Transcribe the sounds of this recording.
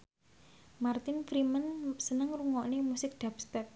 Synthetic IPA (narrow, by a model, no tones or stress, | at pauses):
mart̪ɪnfɾimənsənəŋruŋɔʔnemusɪk̚d̪̥apspɛt̪̚